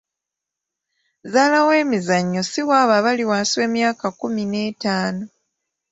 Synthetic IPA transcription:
zaːlawe̞ːmizaɲːo̞siwaːβaβaliwaːswe̞ːmjaːkakumine̞ːtaːno

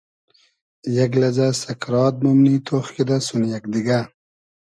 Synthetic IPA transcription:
jaɡlazasɐkɾɑːt̪̚mumniːt̪ʰoχkid̪asunjakd̪iɡa

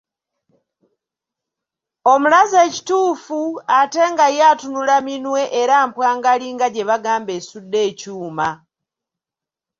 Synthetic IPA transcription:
o̞mulaze̞ːci̥tuːfuate̞ŋɡajaːtunulaminwe̞ʔeɾaːmpwaːŋɡaliŋɡaɟe̞βaɡaːmbe̞ːsudːe̞ːcuːma

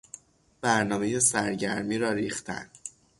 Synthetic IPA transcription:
b̥æɾnɒːme̞je̞sæɾɟæɾmiːɾɒːɾiːxt̪ʰæ̰n

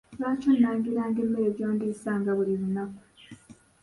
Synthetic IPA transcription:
βaːconaːŋɡiɾaːŋɡe̞ːmːe̞ɾe̞βjoːndisaːŋɡaβuliɾunaku

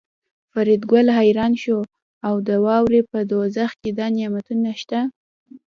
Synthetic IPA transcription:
faɾid̪ɡalɦajɾɑnʃo | awd̪əwɑwɾepəd̪ozaxked̪ɑnjɑmat̪unaʃt̪a

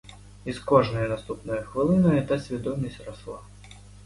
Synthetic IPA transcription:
iskɔʐnɨjɛnast̪upnɨjɐxvɨlˠɨnɐjɛt̪asʲvʲad̪ɔmʲɐsʲtʲraslˠa

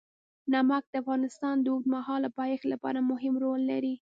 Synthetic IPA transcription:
namak̚d̪̥əafɣɑnɪst̪ɑnd̪əud̪mahɑlapɑjexlapɑ̰ɾamʊɦɪmɾolːaɾi

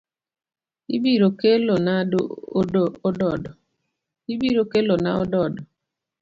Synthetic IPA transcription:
ḭbiɾokelɔnao | odɔdɔ | ibiɾokelɔna̰odɔdɔ

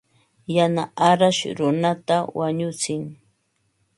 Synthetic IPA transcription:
janaʔaɾaʃɾʊnat̪awaɲʊt͡sɪŋ

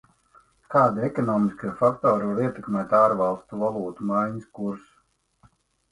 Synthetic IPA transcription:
kaːd̪iɛkɔnɔːmiskiːfakt̪ɔːɾvaɾiɛt̪ɛkmʲɛːt̪aːɾvalˠst̪uvalˠuːt̪umajɲiskuɾsu̥

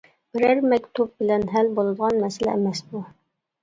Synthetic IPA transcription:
b̥ɪɾæɾmɛkʲt̪ʰub̚bɪlɛnɦælbolˠɨd̪əʁɑnmɛsɪlɛ̰ːmɛsbu

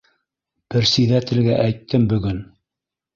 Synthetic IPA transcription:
b̥ɘ̆ɾsiðæt̪ɘ̆lɡæʔæjt̪ːɘmbɵ̆ɡɵn

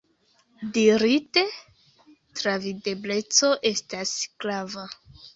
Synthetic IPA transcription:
diɾite̞ | tɾavide̞ble̞t͡so̞ʔe̞stasklava

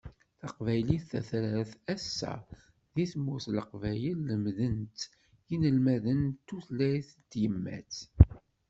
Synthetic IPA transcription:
θəqvæjliθæθɾəɾθæsːæ̰ | ðiθmːuθləqvæjəlːəmðənt̪ | jinəlmæðənt̪ːuθlæjθt̪ːjəmːæ̰t͡s

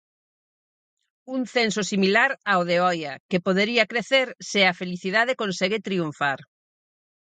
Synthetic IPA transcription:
uŋθensosimilaɾaoðeɔjɐkepoðeɾiɐkɾeθeɾsɪɐfeliθiðað̞ekonseɣɪt̪ɾiuɱfaɾ

